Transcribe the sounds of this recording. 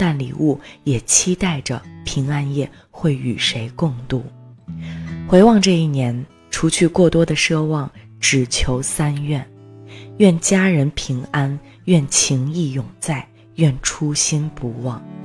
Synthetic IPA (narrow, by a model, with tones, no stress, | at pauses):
t̪a˥˩nlḭ˨˩ʔu˥˩jɛ˨˩t͡ɕʰi˥t̪a˥˩ɪʈ͡ʂə˩pʰi˧˥ŋa˥njɛ˥˩ | xwe˥˩ɪy̰˨˩ʂe˧˥ɪkʊ˥˧ŋt̪u˥˩ | xwe˧˥ɪwɑ˥˧ŋʈ͡ʂɤ˥˧i˥˩njɛ˧˥n | ʈ͡ʂʰu˧˥t͡ɕʰy˥˧kwɔ˥˩t̪wɔ˥d̪ə˨ʂɤ˥wɑ˥˩ŋ | ʈ͡ʂɻ̩˨˩t͡ɕʰjo˧˥ʊsa˥nɥɛ˥˩nɥɛ˥˩nt͡ɕja˥ɻə˧˥npʰi˧˥ŋa˥n | ɥɛ˥˩nt͡ɕʰi˧˥ŋi˥˩jʊ˨˩ŋt͡sa˥˩ɪ | ɥɛ˥˩nʈ͡ʂʰu˥ɕi˥npu˧˥wɑ˥˩ŋ